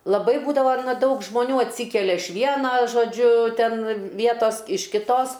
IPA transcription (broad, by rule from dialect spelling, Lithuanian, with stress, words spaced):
lˠɐˈbɐɪ ˈbuːdɐʋɐ ˈdɐʊk ʒmoːˈnʲuː ɐtʲˈsʲiːkʲɛlʲɛ ɪʃ ˈʋʲiɛnɐ ʒoːˈd͡ʒʲʊ ˈtʲɛn ˈʋʲiɛtoːs ɪʃ kʲɪˈtoːs